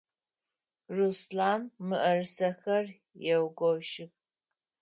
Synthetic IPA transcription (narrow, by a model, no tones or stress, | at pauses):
ruslaːmːɨʔɐrɨsɐxɐr | jɛwɡʷɔwʃɪp